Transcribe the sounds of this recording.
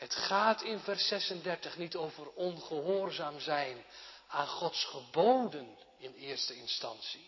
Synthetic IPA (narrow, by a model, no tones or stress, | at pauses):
ɦətχaːtʰɪnvɛrsɛsəndɛɹtəχnitowvərɔnχəɦʊːrzaːmzɛjnaːnχɔtsχəbowdən | ɪnɪːɹstəɪnstɑnsi